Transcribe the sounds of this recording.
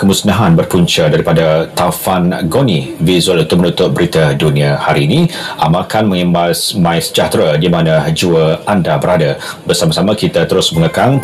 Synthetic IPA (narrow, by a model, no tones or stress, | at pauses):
kəmusnaɦanbərpuɲt͡ʃadaɾipadat̪afanɡonivizualunt̪ʊk̚mənut̪ʊt̪̚bəɾit̪aduniahaɾiːnĩa̰makanmə̃ŋimbasmãjsə̥d͡ʒaht̪ɾadimanad͡ʒuəandabəɾadabərsamasamakit̪at̪əɾʊsməŋəkaŋ